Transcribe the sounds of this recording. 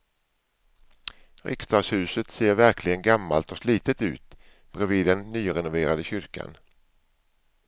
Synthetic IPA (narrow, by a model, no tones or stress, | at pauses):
ɾʔɪ̰kst̪ɑːɡshʉ̟ːsət̪seːɾvæɾkʰlɪɡənɡamːalt̪ɔsliːt̪ət̪ʉ̟̰ːt̪ | b̥ɾɛviːd̪ɛnːyːɾɛnʊveːɾad̪əɕʏɾka̰n